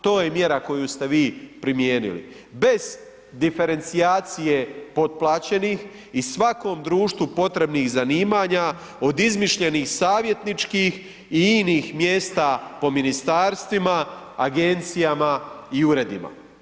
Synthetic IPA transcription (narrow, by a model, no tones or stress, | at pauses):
t̪o̞ːjemje̞ɾako̞just̪e̞ʋiːpɾimjeːnḭlḭ | be̞z̥ | d̪ife̞ɾe̞nt̪sijaːt̪sijepo̞d̪̚plˠaːt͡ɕe̞niːx | isʋako̞ːmd̪ɾuːʃt̪ʋupo̞t̪ɾe̞bniːxzaniːmaːɲa | od̪izmiʃʎe̞nixsaːʋje̞t̪nit͡ʃkiːx | iiːniːxmjeːst̪apo̞minist̪aːɾst̪ʋima | aɡent̪sijamaiuɾe̞d̪ima̰